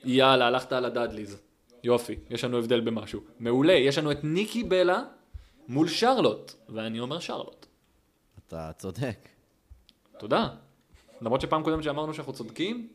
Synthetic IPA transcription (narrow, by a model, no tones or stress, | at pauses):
jalaːlaχt̪aːlad̪ad̪liz | jo̞fijeʃlanue̞vd̪e̞lbe̞maʃume̞ule̞jeʃlanuet̪nikibe̞la | mulʃaʁlo̞tveanio̞me̞ʁʃa̰ʁlo̰t̪ | at̪a̰t͡sod̪ek | t̪o̞d̪a | lamʁo̞t̪ʃe̞paːmkodemtt͡ʃʃeamaʁnuʃenaχnut͡so̞d̪kim